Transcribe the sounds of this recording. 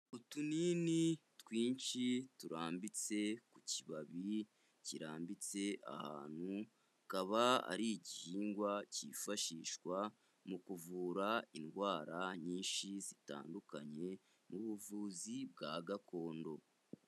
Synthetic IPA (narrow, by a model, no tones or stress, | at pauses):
utuninitwiːnʃituɾaːmbit͡se̞kuciβaβi | ciɾaːmbit͡se̞ʔa̰ha̰ːn̥hu | kaβaa̰ɾiɟihiːŋɡwacifaʃiːʃkwa | mukuvuːɾainɡwaːɾaɲiːnʃizita̰ːndukaɲe̞ | muβuvuːzib̚ɡaːɡakʰo̞ːndo̞